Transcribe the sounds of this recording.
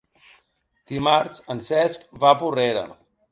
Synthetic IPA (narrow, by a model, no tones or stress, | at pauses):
d̪̥imaɾsənsɛskβapureɾə̰